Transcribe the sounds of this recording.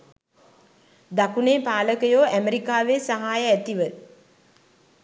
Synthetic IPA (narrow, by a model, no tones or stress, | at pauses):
d̪akuneːpaːləkəjoːʔæməɾikaːʋesaɦaːjəæt̪iʋə